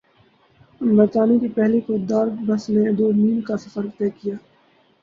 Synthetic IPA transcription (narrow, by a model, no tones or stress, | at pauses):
bəɾt̪aːnikipɛɦlikʊd̪aːɾbəsned̪oːniːnkasɐfəɾt̪eːkijaː